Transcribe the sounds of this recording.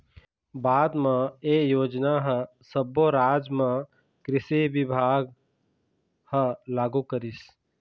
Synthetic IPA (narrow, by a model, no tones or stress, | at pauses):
baːd̪mãejoːd͡ʒnaɦə | səboɾaːd͡ʒmã | kɾɪseʋɪbʱaːɡ | həlaːɡukəɾis